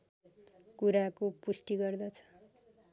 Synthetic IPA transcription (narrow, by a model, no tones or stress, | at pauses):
kuɾakopusʈiɡʌrd̪ʌt͡sʰʌ̥